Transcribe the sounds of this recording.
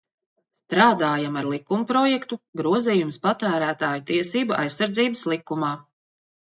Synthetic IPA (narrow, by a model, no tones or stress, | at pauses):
st̪ɾaːd̪aːjamaɾlˠikːumpɾɔjɛkt̪uɡɾuɔziːjumspat̪æːɾæːt̪aːjut̪iɛsiːbaʔa̰jsːaɾd̪ziːbəslˠikːumaː